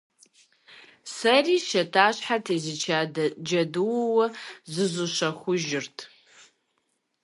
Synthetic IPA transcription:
sɐriːʃɐtʰaːɕħatʰezɨt͡ʃʰad͡ʒɐdɨwwɐzɨzʷuʃɐχʷʊʒɪrtʰ

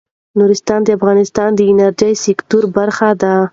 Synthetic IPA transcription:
nuɾɪst̪ɑnd̪əafɣɑnɪst̪ɑnd̪əɪnaɾd͡ʒajsɪkt̪uɾbaɾxad̪a

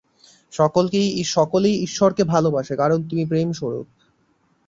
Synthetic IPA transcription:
ʃɔkolkejiʃɔkolejiʃːɔɾkebʱalobaʃekaɾont̪umipɾemʃoɾo̰k̚

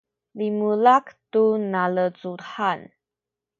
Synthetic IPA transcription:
limulaktunalət͡suħan

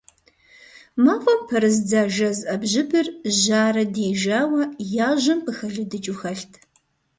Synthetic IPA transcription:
maːʁʷʼɔmpʰɐɾɨzd͡zaːʒɐzʔɐbʑɪbɨrʒaːɾɐdeːʒaːwɐjaːʑɐmpʰɨxɐɮɨdɨt͡ʃʼuxɐɬtʰ

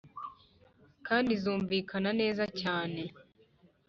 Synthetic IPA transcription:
kaːndizuːɱviːkʰanane̞ːzacaːne̞

